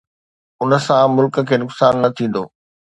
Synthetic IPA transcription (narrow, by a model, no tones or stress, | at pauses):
ʊnə̆sãmʊlkə̆kʰeːnʊksaːnːɐt̪ʰĩːn̆d̪o̰ː